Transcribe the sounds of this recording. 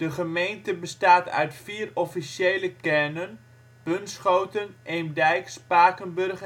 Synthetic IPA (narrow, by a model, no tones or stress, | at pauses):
d̥əχəmejntəbəstaːtœ̰ɥtfiːrɔfisjejləkɛrnən | bɵnsχowtənemdɛjkspaːkənbørχə